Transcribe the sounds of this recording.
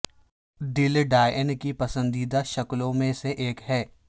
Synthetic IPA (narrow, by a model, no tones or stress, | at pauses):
ɖɪlɖaːənkipɐsə̃nd̪iːd̪aʃɐklõmẽseʔeːkɦɛː